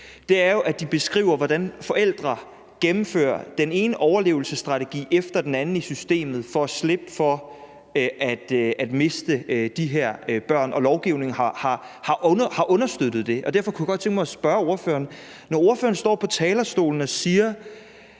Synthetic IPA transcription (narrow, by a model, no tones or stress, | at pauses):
d̥e̝æɐjo̝ʔæd̥ib̥e̝sɡ̥ʁḭːʊ̰ɐʋɒd̥ænfɒ̽ʔel̰d̥ʁɐ | ɡ̥emm̩fø̰ːɐ̰d̥ene̝ːnəʔɒʊɐle̝̰ːʊl̩səsd̥ʁɑ̈t͡sʰeɡ̥ḭːefd̥ɐd̥enænn̩isysd̥e̝̰ːmð̩ˠfɒ̽æsleb̥əfɒ̽ | ʔæd̥æd̥me̝sd̥əd̥iɦeɐ̰b̥ɶɐ̰nʔɒ̽lɒʊɡ̥iʊne̝ŋ̩hɑ̈hɑ̈ | hɑ̈ʔhɑ̈ʔɔ̽nɐsd̥ød̥ð̞̩ˠd̥e̝ʔɒ̽d̥æɐfɒ̽kʰujɡ̥ɒ̥t͡sʰeŋɡ̥mɑasb̥ɶːɐo̝ɐfø̰ːɐn | nɒo̝ɐfø̰ːɐn̩sd̥ɒ̰ːpʰɒ̽t͡sʰɛːlɐsd̥o̝̰ːln̩ɒ̽siːɐ